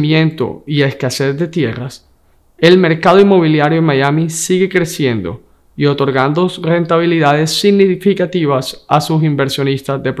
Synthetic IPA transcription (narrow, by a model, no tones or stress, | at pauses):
mẽnt̪o̞̰ie̞skase̞zðe̞t̪je̞ras | e̞lme̞ɾkaðoinmo̞β̞iljaɾjoenmajamisiɣe̞kɾe̞sje̞nd̪o̞̰ | io̞t̪o̞ɾɣand̪osre̞nt̪aβ̞iliðað̞e̞sːiɣnifikat̪iβ̞asasus̬imbe̞ɾsjo̞nist̪azðe̞p